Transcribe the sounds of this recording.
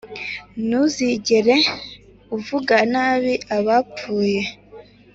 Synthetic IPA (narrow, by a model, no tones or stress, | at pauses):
nuziɟeɾe̞ | uvuɡanaːβiʔaβap͡fuːje̞